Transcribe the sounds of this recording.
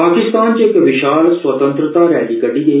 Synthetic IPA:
paːkɪst̪aːnt͡ɕeekʋɪʃaːlsʋɐt̪ə̃nt̪ɾət̪aɾa̰ːlikəʈiɡe

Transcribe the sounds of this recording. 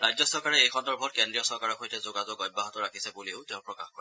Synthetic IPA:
ɹajzɔsɔɹkaɹɛejkʰɔndɔɹbʱɔt̚kendɹijɔsɔɹkaɹɔxʰojtɛzʊɡazʊɡɔj̚baɦɔtɔɹakʰisɛbuliʊtɛʊ̃pɹɔkaxkɔɹ

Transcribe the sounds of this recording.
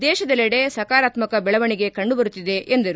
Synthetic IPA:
d̪ɛːʃɐd̪ɐleɽe̞sɐkaːɾaːt̪mɐkɐbɛɭɐʋɐɳiɡe̞kɐɳɖubɐɾut̪ːid̪e̞ʔend̪ɐɾu

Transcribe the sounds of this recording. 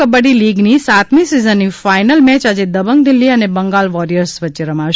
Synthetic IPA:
əbəɽiliɡnisat̪mĩsizənːifajnəlmɛt͡ʃad͡ʒed̪əbəŋɡd̪ɪlːiənebəŋɡalʋɔɾijəɾsʋətːʃeɾəmãʃ

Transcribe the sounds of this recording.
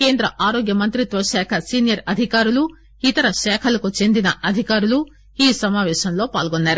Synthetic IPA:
ke̞ːnd̪ɾɐʔaːɾoːɡjɐmɐnt̪ɾit̪ʋɐʃɛːkʰɐsiːnijɐɾɐd̪ʱikaːɾulu | it̪ɐɾɐʃɛːkʰɐlɐkut͡ʃe̞nd̪inɐʔɐd̪ʱikaːɾulu | iːsɐmaːʋɛːʃɐmlo̞ːpaːlɡonːaːɾu

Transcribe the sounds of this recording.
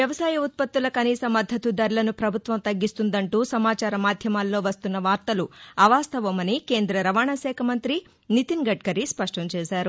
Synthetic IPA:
ʋjɐʋɐsaːjɐut̪̚pɐt̪ːulɐkɐniːsɐmːɐd̪ʱːɐt̪ud̪ɐɾlɐnupɾɐbʱut̪ʋɐmt̪ɐɡːist̪und̪ɐɳʈuːsɐmaːt͡ʃaːɾɐmaːd̪ʱjɐmaːlːo̞ːʋɐst̪unːɐʋaːɾt̪ɐluɐʋaːst̪ʰɐʋɐmɐnike̞ːnd̪ɾɐɾɐʋaːɳaːʃɛːkʰɐmɐnt̪ɾi | nit̪inɡɐʈ̚kɐɾispɐʂʈɐmt͡ʃɛːʃaːɾu

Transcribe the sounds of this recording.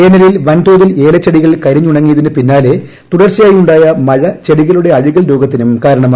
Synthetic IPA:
eːnɐɾjilʋɐnt̪oːðile̞ːlɐt͡ɕːeɽiɣɐɭkɐɾiɲːuɽɐŋːijɐðinɨpinːaːle̞ | t̪uɽɐrt͡ɕɐjaːjiuɳɖaːjɐmɐɻɐt͡ɕe̞ɽiɣɐluɽe̞ɐɻiɣɐɭɾo̞ːɡɐt̪ːinumkaːɾɐɳɐma

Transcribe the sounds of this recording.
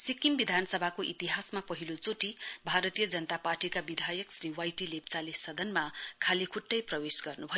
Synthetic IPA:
sikːimbid̪ʱanʌsʌbʱakoʔit̪iɦasmapʌɦilot͡soʈibʱaɾʌt̪ijʌd͡zʌnʌt̪aparʈikabid̪ʱajʌksriwajʈilep̚t͡salesʌd̪ʱʌnmakʰalekʰuʈːʌjprʌwesɡʌrnubʱʌjo

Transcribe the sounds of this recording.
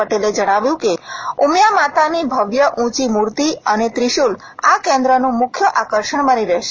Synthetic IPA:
əʈeled͡ʒəɽ̃aʋjũkeumjamat̪anibʱəʋjəʔũt͡ʃimuɾt̪iənet̪ɾiʃul | akẽnd̪ɾənũmʊkʰːjəʔakəɾʃəɳ̃bəniɾəɦʃe

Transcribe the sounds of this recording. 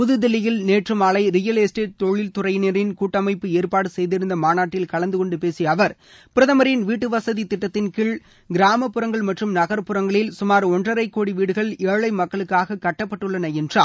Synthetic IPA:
pʊðɯðɪlɪjɪlneːʈrɐmaːɭɐɪɾɪjɐlesʈeːʈ̚t̪ɔɭːɪlt̪ʊrɐɪneːɾɪnkuːʈːɐmɐɪpːɯeːɾpaːɽɯsɛjðɪɾɯnd̪ɐmaːnaːʈːɪlkɐɭɐnd̪ɯkɔɳɖɯpeːsiɐʋɐɾ | pɪɾɐðɐmɐɾɪnʋiːʈːɯʋɐsɐðit̪ɪʈːɐt̪ːɪnkɪɭ | ɡɪɾaːmɐpːɯɾɐŋɡɐɭmɐʈrɯmnɐɣɐɾpɯɾɐŋɡɐɭɪlsʊmaːɾɔndrɐɾɐɪkːoːɽiʋiːɽɯɣɐɭeːɭɐɪmɐkːɐɭɯkːaːɣɐkɐʈːɐpːɐʈːɯɭːɐnɐɛndraː

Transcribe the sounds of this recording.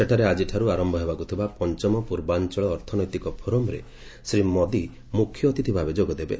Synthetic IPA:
seʈʰaɾead͡ʒiʈʰaɾuaɾɔmbʱɔɦebakut̪ʰibapɔnt͡ʃɔmɔpuɾbant͡ʃɔɭɔːɾt̪ʰɔnɔjt̪ikɔpʰoɾomɔɾḛ | sɾimɔd̪i | mukʰːjɔt̪it̪ʰibʱabed͡ʒoɡɔd̪ebḛ

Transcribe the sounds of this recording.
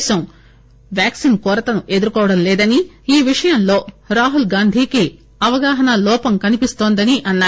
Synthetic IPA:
sɐm | ʋjaːksinkɔːɾɐt̪ɐnuʔe̞d̪uɾukɔːʋɐɽɐmlɛːd̪ɐni | iːʋiʂɐjɐmlo̞ː | ɾaːɦulɡaːnd̪ʱiːki | ɐʋɐɡaːɦɐnɐlɔːpɐmkɐnipist̪oːnd̪ɐniʔɐnːaː

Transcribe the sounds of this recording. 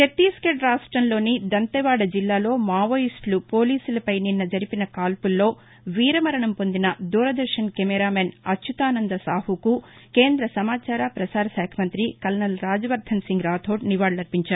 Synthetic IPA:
et̪ːiːskeɖɾaːʂʈɾɐmlo̞ːnid̪ɐnt̪ɐʋaːɽɐd͡ʒilːaːlo̞ːmaːʋɐjisʈlupo̞ːliːsulɐpɐjninːɐd͡ʒɐɾipinɐkaːlpulːo̞ː | ʋiːɾɐmɐɾɐɳɐmpo̞nd̪inɐd̪uːɾɐd̪ɐɾʂɐnkemɛɾaːmenɐt͡ʃʰːut̪aːnɐnd̪ɐsaːhukuke̞ːnd̪ɾɐsɐmaːt͡ʃaːɾaːpɾɐsaːɾɐsɛːkʰɐmɐnt̪ɾikɐlnɐlɾaːd͡ʒɐʋɐɾd̪ʱʰɐnsiŋɡɾaːt̪ʰo̞ːʈ̚niʋaːɽlɐɾpiɲt͡ʃaːɾu

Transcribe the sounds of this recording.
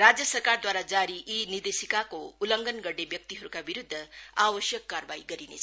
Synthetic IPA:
rad͡zjʌsʌrkard̪waɾad͡zaɾiʔinird̪esikakoulʌŋɡʌnɡʌɽnebjʌk̚t̪iɦʌɾukabiɾud̪ʱːʌabʌsjʌkːarbaiɡʌɾinḛt͡sʰ

